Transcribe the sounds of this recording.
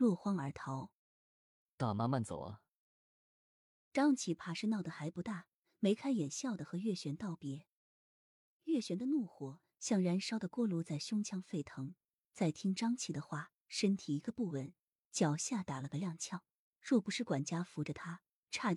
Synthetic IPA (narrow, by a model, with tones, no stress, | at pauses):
lwɔ˥˩xwɑ˥ŋə˞˧˥t̪ʰɑ˧˥ʊ | t̪a˥˩ma˥ma˥˩nt͡so̰˨˩ʊlə̰˦ | ʈ͡ʂɑ˥ŋt͡ɕʰi˧˥pʰa˨˩ʂɻ̩˥˧nɑ˥˩ʊd̪ə˩xa˧˥ɪpu˧˥t̪a˥˩ | me˧˥ɪkʰa˥ɪjɛ˨˩nɕjɑ˥˩ʊd̪ə˩xɤ˧˥ɥɛ˥˩ɕɥɛ˧˥nt̪ɑ˥˩ʊpjɛ˧˥ | ɥɛ˥˩ɕɥɛ˧˥nd̪ə˧nu˥˩xwɔ˨˩˦ | ɕjɑ˥˩ŋɻa˧˥nʂɑ˥ʊd̪ə˨kwɔ˥˩lu˧˥t͡sa˥˩ɪɕjʊ˥ŋt͡ɕʰjɑ˥ŋfe˥˩ɪt̪ʰɤ˧˥ŋ | t͡sa˥˩ɪt̪ʰi˥ŋʈ͡ʂɑ˥ŋt͡ɕʰi˨˩d̪ə˦xwa˥˩ | ʂə˥nt̪ʰi˨˩i˧˥ɡə˧pu˥˩wə˩n | t͡ɕjɑ˨˩ʊɕja˥˩t̪a˨˩lə˧ɡə˧ljɑ˥˧ŋt͡ɕʰjɑ˥˩ʊ | ɻwɔ˥˩pu˧˥ʂɻ̩˥˩kwa˨˩nt͡ɕja˥fu˧˥ʈ͡ʂə˧t̪ʰa˥ | ʈ͡ʂʰa˥˩